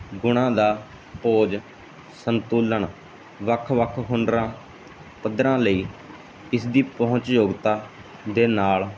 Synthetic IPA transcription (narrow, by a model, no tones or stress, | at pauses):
ɡʊɽ̃ãːd̪aː | poːd͡ʒ | sənt̪uːləɳ | ʋəkʰʋəkʰɦʊɳɖɾãː | pəd̪ɾãːləiː | ɪsd̪iːpəɦʊ̃t͡ʃjoːɡt̪aː | d̪eːnaːl